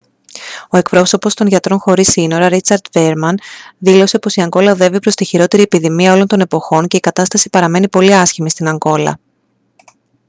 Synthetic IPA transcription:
o̞e̞kpɾo̞so̞po̞st̪onʝɐt̪ɾo̞nxo̞ɾisino̞ɾɐɾit͡sɐɾd̪ve̞ɾmɐnðilo̞se̞po̞siɐŋɡo̞lɐoðe̞vipɾo̞st̪içiɾo̞t̪e̞ɾiepiðimiɐo̞lo̞nt̪o̞ne̞po̞xo̞nce̞ikɐt̪ɐst̪ɐsi̥pɐɾɐme̞nipo̞liɐsçimist̪inɐŋɡo̞lɐ̰

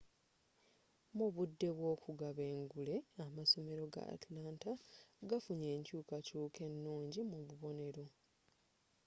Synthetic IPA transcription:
muβudːe̞βwo̞ːkuɡaβe̞ːŋɡule̞amaso̞me̞ɾo̞ɡa̰a̰tlaːntaɡafuɲe̞ːɲcuːkacuːke̞nːuːɲɟimuβuβo̞ne̞ɾo̞

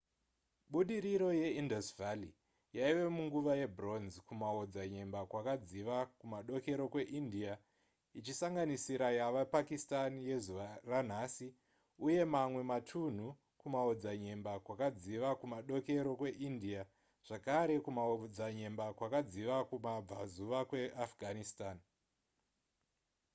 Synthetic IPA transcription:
ɓuɗiɾiɾo̞je̞indosvali | jaiʋe̞muŋɡuʋaje̞bro̞nzkumaod͡zaɲe̞mbakwakad͡ziʋakumaɗo̞ke̞ɾo̞kwe̞ʔindia | it͡ʃisaŋɡanisiɾajaʋapakistanije̞zuʋaran̤asi | uje̞mamwe̞matʰun̤u | kumaod͡zaɲe̞mbakwakad͡ziʋakumaɗo̞ke̞ɾo̞kwe̞ʔindia | ʐ̥akaɾe̞kumaod͡zaɲe̞mbakwakad͡ziʋakumab͡vazuʋakwe̞ʔafɡʱanistaːn

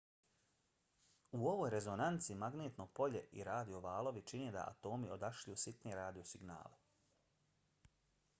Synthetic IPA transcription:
uo̞ʋoːjɾe̞zo̞nant̪simaɡneːt̪nopo̞ʎe̞̰ʔḭɾaːd̪io̞ʋaːlˠo̞ʋit͡ʃined̪a̰ʔa̰t̪o̞ːmio̞d̪aʃʎusit̪neɾaːd̪iosiɡna̰ːle

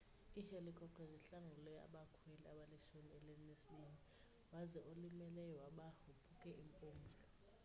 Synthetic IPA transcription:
ihelikʼɔǃʼɛziɬaŋulɛa̰ɓakʰwɛlɛaɓalɛʃoniɛlenisini | wazɛʔolimɛlɛjɔwaɓahupʰukʼɛimpʼoːŋvɔ

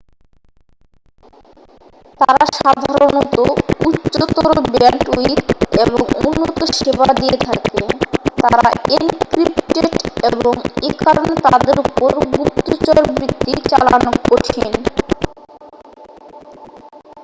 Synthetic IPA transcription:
t̪aɾaʃad̪ʱaaɾɾonɔt̪ouːot̪oɾobɛɳʈuit̪eboŋṵnːot̪oʃebad̪ijet̪ʰaket̪aɾaenkɾipʈeʈeboŋekaɾonet̪ad̪eɾupoɾɡup̚t̪ːot͡ɕɔɾbɾit̪ːit͡ɕalaanokkoʈʰin

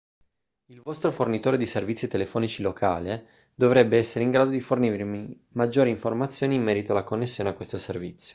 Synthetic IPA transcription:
ilvɔst̪ɾofornit̪oːɾed̪iservit̪sːit̪elefɔːnit͡ʃilokʰa̰ːle | d̪ovɾɛbːeɛsːeɾeiŋɡɾaːd̪od̪ifornirmi | mad͡ʒːoːɾiɱformat̪sːjoːniːmːɛːɾit̪oalːakonːesːjoːneakːwest̪oservit̪sːjo̥

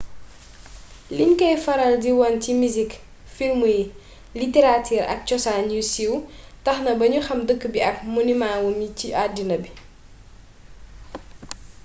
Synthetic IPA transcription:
linkɐjfɐɾɐldiwɔncimizik | filmu | liteɾatʰiːɾɐ̰k̚cɔsaɲusiwtɐxnɐbɐɲuxɐmdəkːbiɐk̚munimaːwumiciʔadːinɐbi

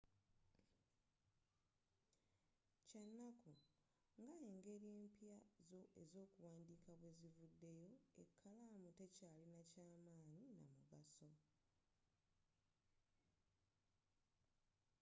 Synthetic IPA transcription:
cenːaku | ŋɡaeŋɡe̞ːɾie̞ːmpjazoḛzo̞ːkuwaːndiːkʰaβwe̞zivudːe̞jo̞ḛkʰːalaːmute̞caːlinacaːmaːɲina̰muɡaso̞

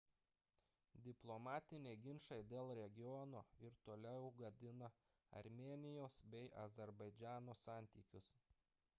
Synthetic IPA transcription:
d̪ʲɪplˠomɑːt̪ʲɪnʲeɪɡʲɪnʃɐɪd̪ʲeːlˠɾʲɛɡʲɪjɔnoːɪɾt̪oːlʲɛʊɡɐd̪ʲɪnɐ | ɐ̰ɾʲmʲeːnʲɪjoːsbʲɛɪʔɐzʲɛɾbɐɪd͡ʒʲæːnoːsɑːˑnʲt̪ʲiːkʲʊs

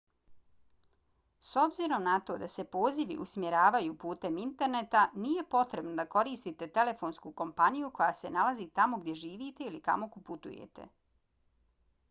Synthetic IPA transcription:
so̞bziɾo̞mnat̪o̞ːd̪ase̞po̞ːziʋḭʔusmjeɾaːʋajupuːt̪e̞mint̪e̞ɾne̞t̪anije̞po̞t̪ɾe̞bnod̪ako̞ɾiːst̪it̪e̞t̪e̞le̞fo̞nskuko̞mpanijuko̞jaːse̞nalazit̪amo̞ɡd̪ʲje̞ʒiːʋiːt̪e̞ilika̰mo̞kuput̪ṵjḛt̪e̞̰

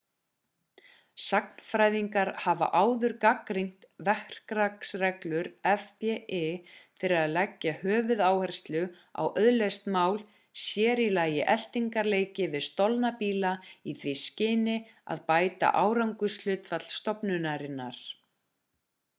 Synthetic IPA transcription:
sakn̥fɾajðiŋkaɾhava̰ʔaːwðʏɾkakɾiŋ̥t̪vɛhr̥kɾaksrɛklʏɾɛfpɛɛfɪɾɪɾaðlɛcːahœːvʏðaːwhɛr̥st̪lʏ | a̰wʔœðlɛst̪maːwl | sjɛːɾilaːjɪʔɛl̥t̪iŋkaɾleːjcɪvɪðst̪ɔlnapiːlaiθviscɪːnɪ | a̰ðpaːjt̪a̰ʔaːwɾawŋkʏslʏːt̪fat̪l̥st̪ɔpnʏnaɾɪnːa̰ɾ̥

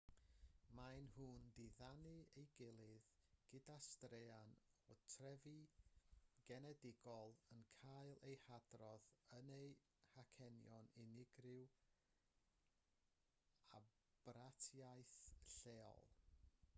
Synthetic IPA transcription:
majnhuːndɪðanɨejɡɪlˠɪðɡ̥ɪdastɾeanɔtʰrɛvi | ɡ̥ɛnɛdɪɡɔlˠənkʰaɨlˠʔejhadrɔðənej | hakʰɛnjɔnɪnɪɡrɪw | a | b̥ratʰjajθɬeːɔ̰lˠ

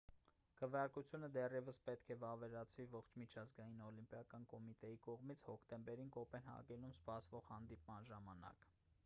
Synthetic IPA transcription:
kʰəvjɑɾkut͡sʰjunəd̪ɛrjɛvəspɛt̪kʰɛvɑvɛɾɑt͡sʰvivɔχt͡ʃʰmit͡ʃʰɑzɡɑjinɔlimpjɑkɑnkɔmit̪ɛjikɔʁmit͡sʰhɔkʰt̪ɛmbɛɾinkɔpɛnhɑ̰ɡɛlumspɑsvɔʁhɑn̪d̪ip̚mɑnʒɑmɑnɑ̰k

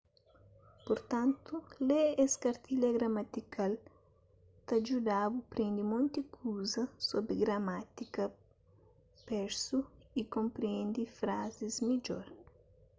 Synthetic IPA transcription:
poɾt̪ãnt̪ulɛɛskɐɾt̪ilɐɡɾɐmat̪ikal | t̪ɐd͡ʒud̪abupɾẽnd̪imõnt̪ikʰuzɐsobɾiɡɾɐmat̪ikɐ | pɛɾsuikõmpɾiɛ̃nd̪ifɾazizmid͡ʒoɾ

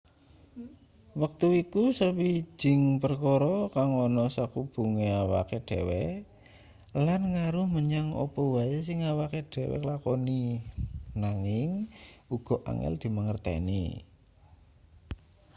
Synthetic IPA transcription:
wak̚t̪uikusəwi̥d͡ʒ̥ɪ̤ŋpərkɔɾɔkaŋɔnɔsakub̥uŋeawa̰keɖ̥ewɛ | lanŋaɾʊhməɲaŋɔ̰pɔwajas̬ɪŋawakeɖ̥e̤wɛ̰klakɔni | naŋɪŋuɡ̥ɔʔa̰ŋɛ̰ld̪̥i̤məŋərt̪ɛ̰nḭ

